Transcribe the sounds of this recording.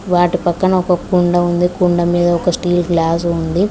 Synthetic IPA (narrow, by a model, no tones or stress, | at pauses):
ʋaːʈipɐkːɐnɐɔkɐkuɳɖɐund̪ikuɳɖɐmiːd̪ɐɔkɐsʈiːlɡlaːs̬und̪i